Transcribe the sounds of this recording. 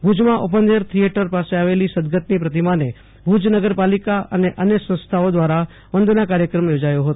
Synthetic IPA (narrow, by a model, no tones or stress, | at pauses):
bʱud͡ʒmãʔopənd̪eɾt̪ʰijeʈəɾpaseaʋelisəd̪ɡət̪nipɾət̪imane | bʱud͡ʒnəɡəɾpalikaə̰neʔənjəsə̃nst̪ʰaod̪ʋaɾa | ʋənd̪nakaɾjəkɾəmjod͡ʒajoɦot̪o